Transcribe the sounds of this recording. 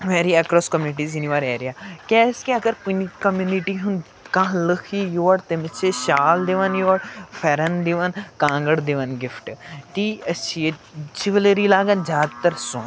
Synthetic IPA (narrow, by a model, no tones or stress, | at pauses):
ʋeːɾiɛkɾɔːskɐmjuːnɪʈiːziniʋaːɾeːɾijaːkɛːskiɐɡəɾkunikɐmjuniʈiːɦʊn | kãɦləkʰijoːɽt̪emət͡ʃʰeʃaːld̪eʋənjoːəɽfʰɛɾənd̪eʋənkãːŋɡəɽd̪eʋənɡɪfʈʈiːɐt͡ʃʰied͡ʒiʋleɾiːlaːɡənzjaːd̪t̪əɾsõːn